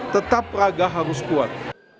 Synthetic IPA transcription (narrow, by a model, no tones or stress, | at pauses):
t̪ət̪apɾaɡaɦaɾuskuwat̪̚